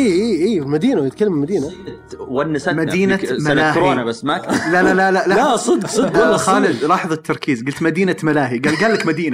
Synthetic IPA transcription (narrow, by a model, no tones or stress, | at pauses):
ʔiːiːiːfmad̪iːnawjɪt̪̚kalːamɪlmad̪iːna | wanːasamad̪iːnamalɪakːɾoːnabasːmaklalalalalalasˤɨd̪ɡsˤɨd̪̚ɡlːxaːlɪd̪ɾˤɑːħðˤɨt̪ʰːɑɾˤkiːzɡʊlt̪mad̪iːnamalaːɦiɡaːlɡaːlːakmad̪iːna